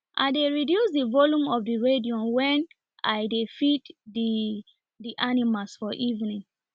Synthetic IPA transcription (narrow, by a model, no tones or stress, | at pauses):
ʔa̰ɪdeɹidjusdivɔlũmɔfdiɹediɔ̃nwɛn | ʔa̰ɪdefitdi | diʔanimasfɔʔivnĩn